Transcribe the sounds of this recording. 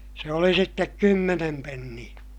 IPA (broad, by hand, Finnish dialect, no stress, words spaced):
se oli sitːek kymːenem penːij̆æ